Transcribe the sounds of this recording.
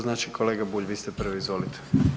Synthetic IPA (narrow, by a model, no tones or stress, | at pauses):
znaːt͡ʃikʰoleːɡabuːʎʋiːst̪epr̩ʋiːzʋolit̪ʰe̥